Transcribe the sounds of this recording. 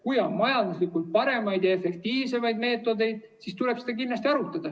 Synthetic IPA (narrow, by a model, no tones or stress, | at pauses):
kujɑmɑjɑnd̪̥uslikult̪̚pɑɾe̞mɑjd̪̥jɑefe̞kt̪iːvse̞mɑjd̪me̞ːt̪ːˑo̞d̪e̞jd̪̥ | sist̪ule̞b̥sed̪̥ɑkinːɑst̪iɑɾut̪ːˑɑd̪̥ɑ